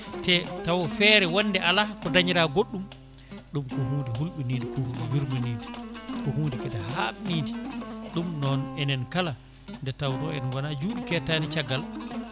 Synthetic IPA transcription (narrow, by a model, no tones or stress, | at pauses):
tɛtawɔfɛːɾɛwɔnːdɛʔalakɔdaɲiɾaɡoɗːum | ɗumkɔɦuːndiɦulɓiniːndikɔhɡɔwiɾmaniːdikɔhundikɛdaɦaniːdiɗumnɔnɛnɛnkala | ndɛtawtɔɛnwanad͡ʒuːɗikɛtanit͡ʃaɡːal